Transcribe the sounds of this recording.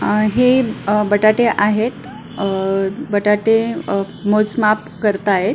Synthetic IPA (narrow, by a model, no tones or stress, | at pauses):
ɦebəʈaʈeʔaɦet̪ | bəʈaʈe | mot͡smapkəɾt̪aɦet̪